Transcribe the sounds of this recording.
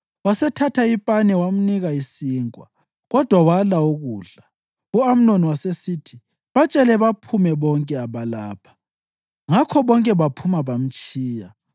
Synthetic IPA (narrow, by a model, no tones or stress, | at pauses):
wasɛtʰatʰaipʼanɛwam̩niɣaisiːŋkʼwa | ɣɔd̥ʱwawalaoɣuːɮa | uam̩noniwasesitʰi | βat͡ʃʼɛlɛβapʰumɛβɔŋkʼɛaβalaːpʰḁ | ŋakʰɔβɔŋkʼɛβapʰumaβam̩t͡ʃʼiːja